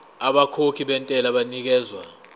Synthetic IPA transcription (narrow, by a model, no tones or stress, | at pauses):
aɓakʰokʰiɓɛntʼɛlaɓanik̬ɛːzwa̰